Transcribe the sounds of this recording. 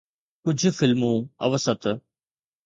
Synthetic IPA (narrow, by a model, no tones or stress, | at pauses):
kʊd͡ʑʱʊ̆fɪlmũːɐ̰ʋəsət̪